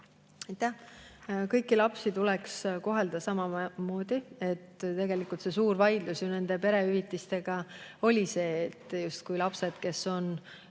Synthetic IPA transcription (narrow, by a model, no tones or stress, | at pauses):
ɑjt̪ːˑæh | kɤjkːˑilɑpsit̪ulɛksko̞ɦe̞ld̪ɑsɑmɑmo̞ːd̪̥ie̞t̪ːt̪e̞ɡe̞likːˑult̪se̞suːɾvɑjd̪̥lusjune̞nd̪e̞pe̞ɾe̞yvit̪ːˑist̪e̞ɡ̥ɑo̞lʲise̞ːt̪ːˑjust̪̚kujlɑpse̞d̪̥ke̞sːo̞n